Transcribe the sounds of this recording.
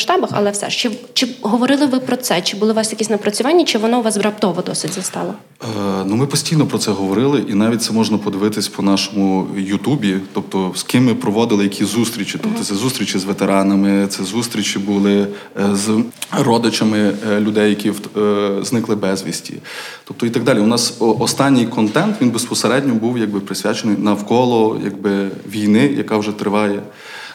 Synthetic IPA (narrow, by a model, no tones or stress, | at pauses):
ʃt̪ɑbɐxɐ̰lˠɛfsɛ̰ʃt͡ʃɪt͡ʃɪɦɔʋɔɾɪlˠɪʋɪpɾɔt̪sɛt͡ʃɪbʊlˠɪʋɑsjɐkʲisʲnɐpɾɐt͡sʲʊʋɑnʲːɐt͡ʃɪʋɔnɔʊʋɑsbɾɐp̚t̪ɔʋɔd̪ɔsʲɪdʲzɐst̪ɑ̰lˠɐ | numɪpɔsʲtʲijnɔpɾɔt̪sɛɦɔʋɔɾɪlˠɪʔinɑʋʲit̚ʲt̪ɛmɔʒnɐpɔd̪ɪʋɪt̪ɪsʲpɔnɑʃɔmʊjut̪ubʲit̪ɔp̚t̪ɔskɪmːɪpɾɔʋɔd̪ɪlˠɪjɐkʲʰizust̪ɾʲit͡ʃʲit̪ɔp̚t̪ɔt̪ɛzust̪ɾʲit͡ʃizʋet̪eɾɑnɐmɪt̪sɛzust̪ɾʲit͡ʃʲibʊlˠɪzrɔd̪ɪt͡ʃɐmɪlʲʊd̪ɛjːɐkʲi | znɪklˠɪbɛzʲʋʲḭsʲtʲḭt̪ɔp̚t̪ɔit̪ɐɡ̚d̪ɑlʲiʊnɑsʔɔst̪ɑnʲːɪjkɔnt̪ɛnt̪ʋʲinbespɔseɾɛdʲnʲɔbuwjɐɡ̚bɪpɾɪsʲʋʲa̰t͡ʃenɔjnɐwkɔlˠɔjɐ̰ɡbɪʋʲijnɪjɐkɑwʒɛt̪ɾɪʋɑjɛ